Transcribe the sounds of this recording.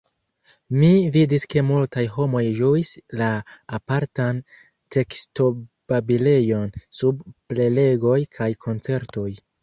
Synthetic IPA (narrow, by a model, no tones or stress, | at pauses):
mividiske̞multajɦo̞mo̞jʒuislaːpaɾtan | tʰe̞ksto̞b̥abile̞jo̞nsubple̞le̞ɡo̞jkʰajkʰo̞nt͡se̞ɾto̞j